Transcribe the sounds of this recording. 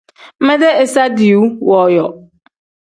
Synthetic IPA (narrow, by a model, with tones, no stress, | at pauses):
mɛ˦de˦e˨sa˦di˨u˦wɔ˨jɔ˨